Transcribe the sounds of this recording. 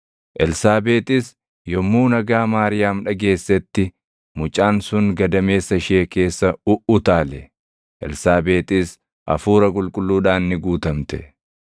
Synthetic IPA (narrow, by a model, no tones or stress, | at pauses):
ʔɛlsaːbeːt̪ɪs | jɔmːuːnɐɡaːmaːɾɪjaːmᶑɐɡe̞ːsːɛt̪ːɪ | mʊt͡ʃʼaːnsʊŋɡɐd̪ɐme̞ːsːɐʃeːke̞ːsːɐʊʔʊt̪aːlɛ | ʔɛ̰lsaːbe̞ːt̪ɪs | ʔɐ̰fuːɾɐk̬ʼʊlkʼʊlːuːᶑaːnːɪɡuːt̪ɐmt̪ɛ̥